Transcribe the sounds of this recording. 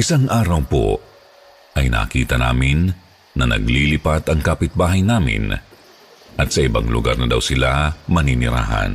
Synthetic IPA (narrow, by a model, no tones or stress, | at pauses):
ʔɪsaŋʔaːɾɐwpo̰ | ʔɐjna̰kiːt̪ɐna̰ːmɪnː | ɐnɐ̰ɡlilɪpat̪ɐŋkaːpɪt̪̚baːɦɐjnaːmɪ̰n | ʔɐt̪̚sɐʔɪba̰ŋlʊ̰ɡaɾnɐd̪ɐwsɪlamɐninɪɾa̰ːɦɐ̰n